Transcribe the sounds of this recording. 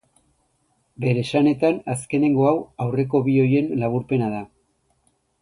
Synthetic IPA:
be̞ɾe̞sane̞t̪anaske̞ne̞ŋɡo̞awawre̞ko̞βio̞je̞nlaβ̞uɾpe̞nað̞a

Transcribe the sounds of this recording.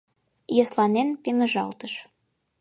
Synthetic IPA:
jɤ̆χlˠɑnenpeŋɘ̆ʒɑ̰lˠt̪ɤ̆ʃ

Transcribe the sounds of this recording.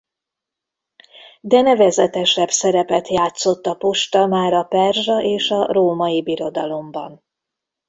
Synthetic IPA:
d̪ɛnɛvɛzɛt̪ɛʃɛbsɛɾɛpɛt̪jaːt̪so̞t̪ːɒpoʃt̪ɒmaːɾɒpɛrʒɒʔeːʃɒroːmɒjibiɾo̞d̪ɒlo̞mbɒ̰n

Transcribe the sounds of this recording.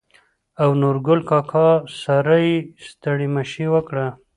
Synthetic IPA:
awnuɾɡʊlkɑkʰɑsaɾəjst̪əɽimaʃiwəkɽa

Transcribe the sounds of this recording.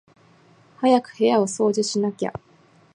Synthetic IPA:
hajakɯ̟̥he̞jao̞so̞ːd͡ʑiɕinakʲa̰

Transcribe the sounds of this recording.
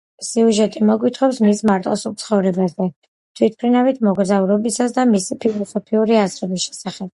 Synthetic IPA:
siuʒɛt̪ʼimɔɡwit̪ʰχɔpsmismaɾt̪ʼɔsulˠt̪sʰχɔvɾɛbazɛ | t̪ʰwit̪̚ʰpʰɾinavit̪ʰmɔɡɾzauɾɔbisasd̪amisipʰilˠɔsɔpʰiuɾiazɾɔbisʃɛ̥saχɛb̥̚

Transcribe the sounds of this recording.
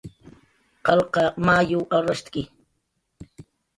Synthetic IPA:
qɑlqɑmaːjʊwʔaɾast̪kɪ

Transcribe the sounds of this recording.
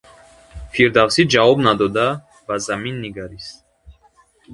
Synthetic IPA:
fʰiɾd̪avsid͡ʒavɔbnad̪ɔd̪a | bazaminːiɡaɾist̪

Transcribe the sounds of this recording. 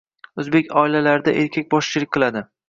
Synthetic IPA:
ɵzbekʲɒɪlalaɾɪd̪a̰ʔe̞ɾkʲʰak̚ʲbɒʃt͡ʃʰɪlɪkʲqʰɨlˠad̪ɪ

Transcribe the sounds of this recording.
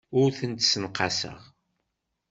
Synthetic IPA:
ʊɾθənt̪sənqɑsə̰ʁ

